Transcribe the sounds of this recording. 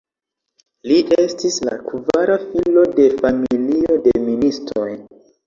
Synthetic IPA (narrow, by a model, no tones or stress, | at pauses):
liʔestisla̰kvaɾafilo̞de̞familio̞de̞ministɾo̞j